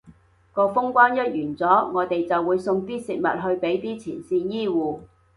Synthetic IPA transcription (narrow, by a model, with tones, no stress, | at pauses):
kɔː˧fʊ˥ŋkʷaː˥njɐ˥t̚jyː˨˩nt͡sɔː˨˥ŋɔː˨˧t̪e˨jt͡sɐ˨wːuː˨˧jsʊ˧ŋt̪iː˥sɪ˨k̚mɐ̰˨t̚ɦɵ˧ɥpe˨˥jt̪iː˥t͡sʰiː˨˩nsiː˧njiː˥wuː˨˧